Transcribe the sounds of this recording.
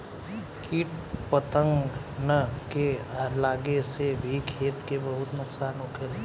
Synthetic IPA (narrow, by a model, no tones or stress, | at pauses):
kiːʈpət̪ə̃ŋɡnəkealaːɡesebʱikʰeːt̪kebəɦʊt̪nʊksaːnʊkʰel